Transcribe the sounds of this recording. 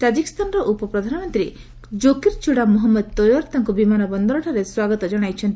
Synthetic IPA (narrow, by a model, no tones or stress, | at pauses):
t̪ad͡ʒikɔ̥st̪ʰanɔɾɔʔupɔpɾɔd̪ʱanɔmɔnt̪ɾi | d͡ʒokiɾt͡ʃuɽamuɦɔmːɔd̪̚t̪ɔjɔɾt̪aŋkubimanɔbɔnd̪ɔɾɔʈʰaɾeswaɡɔt̪ɔd͡ʒɔɽ̃ajt͡ʃʰɔnt̪i